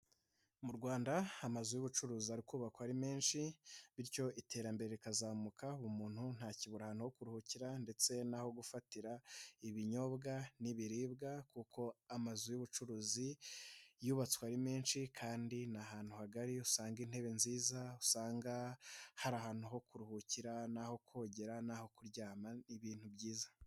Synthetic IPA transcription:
muɾɡwaːndaamazujuβut͡ʃuɾuːziaɾikuːβakwaɾime̞ːnʃiβiɾco̞ʔitʰe̞ːɾambe̞ɾe̞ɾikazaːmukʰauβumuːn̥hun̥haːciβuɾahaːnhuho̞kuɾuhuciɾande̞t͡se̞naho̞ɡufatiɾaiβiɲo̞bɡaniβiɾiːbɡakukʰo̞amazujuβut͡ʃuɾuːzi | juβat͡swaɾime̞ːnʃikʰaːndinaɦaːn̥huhaɡaɾiusaːŋɡin̥he̞βe̞nziːzausaːŋɡahaɾaɦaːn̥huɦo̞kuɾuhuciɾanaho̞kʰo̞ːɟe̞ɾanaho̞kuɾɟaːmaniβiːn̥hubɟiːzḁ

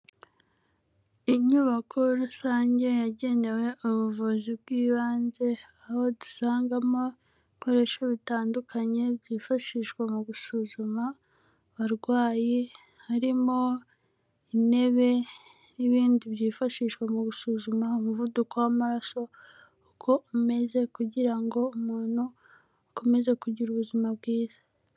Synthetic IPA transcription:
iɲuβakʰo̞ɾusaːɲɟe̞jaɟe̞ne̞we̞ʔuβuvuzib̚ɡiːβaːnze̞aho̞du̥saːŋɡamo | ko̞ɾe̞ʃoβitaːndukʰaɲe̞bɟiːfaʃiːʃkwamuɡusuzuma | βaɾɡwaːji | haɾimo̞ | ine̞βe̞ | niβiːndiβjiːfaʃiːʃkwemuɡusuːzumaumuvudukowamaɾaso̞ | ukʰo̞ume̞ze̞kuɟiɾaŋɡo̞umuːn̥huː | ko̞me̞ze̞kuɟiɾuβuzimabɡiːz̥ḁ

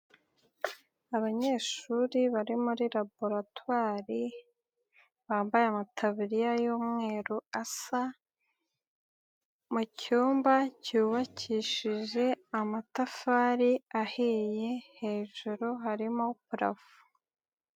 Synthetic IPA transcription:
aβaɲe̞ːʃuɾiβaɾimuɾiɾabo̞ɾatwaːɾi | βaːmbajeamatʰaβiɾijajuːmŋe̞ːɾuasa | mucuːmbacuːβacʰiʃiʒe̞amatafaːɾiahije̞he̞ːʒuɾoɦaɾimopuɾa̰vu̥

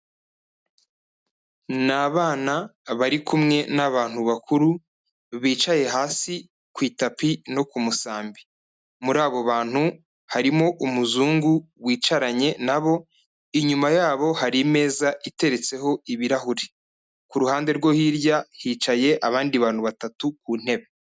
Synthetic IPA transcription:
naβaːnaβaɾikʰumŋe̞naβaːn̥huβakʰuɾu | βiːt͡ʃaje̞ɦaːsi | kwiːtapino̞kumusaːmbi̥ | muɾaːβo̞βaːn̥hu | haɾimo̞ʔumuzuːŋɡuwiːt͡ʃaɾaɲe̞naβo̞ | iɲumajaːβo̞haɾime̞ːzaite̞ɾe̞t͡se̞ho̞iβiɾahuɾi | kuɾuhaːnde̞ɾɡo̞hiɾjahiːt͡ʃaje̞ʔaβaːndiβaːn̥huβatatukuːn̥e̞βe

